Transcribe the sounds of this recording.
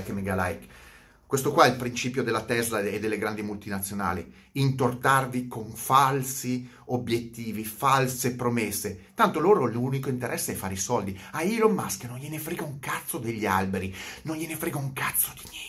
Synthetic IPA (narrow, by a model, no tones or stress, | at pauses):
kemeɡala̰jk | kwest̪okwaɛilpɾint͡ʃiːpjod̪elːat̪ɛzlaed̪ːelːeɡɾand̪imult̪inat̪sːjona̰ːlḭ | int̪ort̪arvikoɱfalsi | objet̪ːiːvifalsepɾomesːet̪ant̪oloːɾolunikoint̪eɾʔɛsːeɛfːaːɾeisɔld̪iaiɾomːaskjononʎenefɾeɡauŋkat̪sːod̪eʎːia̰lbeɾinonʎenefɾeɡauŋkat̪sːo̥d̪iɲɛ